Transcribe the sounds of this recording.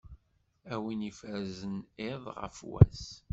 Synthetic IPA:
æwinifæɾzəneðˤʁə̰fwæ̰s

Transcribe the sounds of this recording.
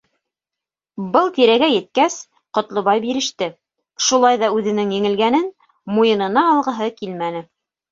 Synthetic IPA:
bɤlˠt̪iɾæɡæjɘ̆t̪̚kæs | qŏt̪lˠŏβɑjbiɾɘ̆ʃt̪ɘ | ʃulˠɑjðɑʉðɘ̆nɘŋjɘ̆ŋɘ̆lɡænɘn | mujɤ̆nɤ̆nɑːlˠʁɤ̆ɦɤkilmænɘ

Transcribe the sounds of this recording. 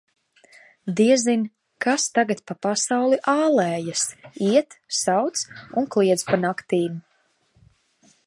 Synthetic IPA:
d̪iɛzin | kast̪aɡat̪̚papasawlˠiʔaːlɛːjasiɛt̪sawt̪sunklˠiɛd̪spanakt̪iːm

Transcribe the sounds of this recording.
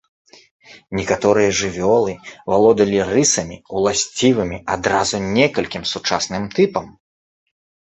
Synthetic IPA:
nʲɛkat̪ɔɾɨjɐʐɨvʲɔlˠɨvalˠɔd̪ɐlʲirɨsɐmʲiwlˠasʲt͡sʲivɨmʲiad̪ɾazunʲɛkɐlʲkʲimsut͡ʂasnɨmt̪ɨpɐm

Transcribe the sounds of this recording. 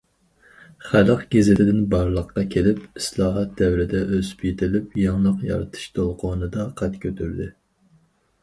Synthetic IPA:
χælqɡ̥ʲezɪt̪ʰɪd̪ɪnbɑɾlˠəqːɑkʲʰelɪpislˠɑːɦɑt̪̚d̪ɛwɾɪd̪ɛʔøzpʰit̪ʰɪlɪpjɑŋlˠəqjɑ̰ɾɨt̪ʰɨ̥ʃt̪ʰolˠqʰonɨd̪ɑqʰɑt̪kʲʰøt̪ʰyɾd̪ɪ

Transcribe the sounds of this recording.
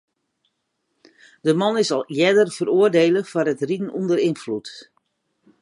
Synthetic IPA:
d̥əmɑnɪsɔlˠjɛdərv̥əruərdeːləfɔrətridn̩undəɾinflut

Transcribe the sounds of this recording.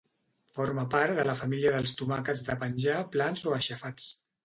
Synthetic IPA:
foɾməpaɾðələfəmiliəðəlˠst̪umakəzðəpənʲʒaplanzoəʃəfat͡s

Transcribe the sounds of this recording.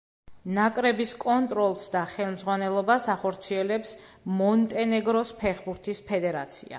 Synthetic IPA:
nakʼɾɛbiskʼɔnt̪ʼɾɔlˠsd̪aχɛlˠmd̪zʁwanɛlˠɔbasaχɔɾt̪sʰiɛlɛpsmɔnt̪ʼɛnɛɡɾɔspʰɛχbuɾt̪ʰispʰɛd̪ɛɾa̰t̪sʰia̰

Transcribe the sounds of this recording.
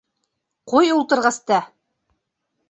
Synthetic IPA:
qujulˠt̪ɤ̆ɾʁɑst̪ɑ

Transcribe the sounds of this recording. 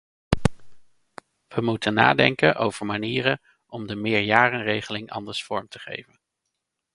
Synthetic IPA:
ʋəmutəna̰ːdɛŋkənʔo̰wv̥əɹmaniːrən | ɔmdəmɪːɹjaːrənrejχəlɪŋɑ̰ndəɹsfɔɹmtəχḛjvən

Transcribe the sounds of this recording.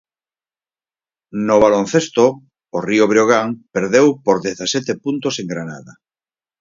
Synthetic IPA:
noβ̞alõn̟θest̪oː | rioβɾjoɣ̞aŋpeɾðewpoɾðeθasɛt̪epunt̪oseŋɡɾana̰ða

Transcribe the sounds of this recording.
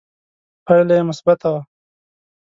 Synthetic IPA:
paɽlajemʊsbat̪awa

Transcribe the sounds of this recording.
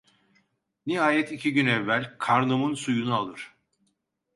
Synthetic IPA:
niɦaːjɛt̪ʰicʰiɟynɛvːælʲkʰaɾnumɯnsujunualˠɯɾ̥

